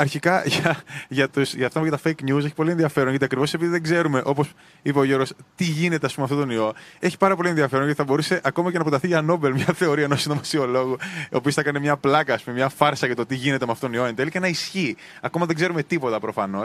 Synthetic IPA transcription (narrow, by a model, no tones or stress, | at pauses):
ɐɾçikɐʝʝɐt̪usʝɐft̪ɐmʝɐt̪ɐfejknus̬eçi̥po̞lienðiɐfe̞ɾonʝɐt̪iɐkɾivo̞sepiðiðe̞ɡze̞ɾume̞ʔo̞po̞s | ipeoʝoɾost̪iʝine̞t̪eɐspumeɐft̪ot̪onio̞e̞çi̥pɐɾɐpo̞lienðiɐfɾnʝɐt̪iθɐbo̞ɾuse̞ʔɐko̞mɐce̞nɐpɾot̪ɐθiʝɐno̞be̞lmɲɐθe̞o̞ɾiɐenosnomɐsio̞lo̞ɣuoːpiosθɐkɐnemɲɐplɐkɐːspumemɲɐfɐɾsɐʝɐt̪o̞t̪iʝine̞t̪emeɐft̪ot̪onio̞end̪elcenɐisçi | ɐko̞mɐðe̞ɡze̞ɾume̞t̪ipo̞t̪ɐpɾo̞fɐno̞s